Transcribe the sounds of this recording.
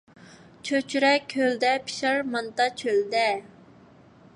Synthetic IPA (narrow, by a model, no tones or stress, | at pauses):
t͡ʃʰøt͡ʃʰyɾɛkʲʰøld̪ɛpʰi̥ʃɑɾmɑnt̪ɑt͡ʃʰøld̪ɛ